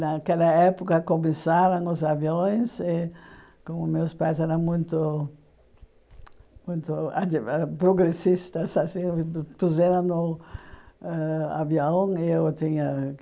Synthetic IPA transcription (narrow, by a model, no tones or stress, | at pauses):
nakɛlɐɛpʊkɐkomesaɾɐ̃ŋ̃ʊzavjõj̃sɪ | kõmʊmewspajsɛɾɐ̃ŋmũj̃t̪ʊ | mũj̃t̪ʊa̰ɛpɾoɡɾesist̪ɐsasĩpuzeɾɐ̃nʊ | a̰vjõwɪewt̪ĩɲɐ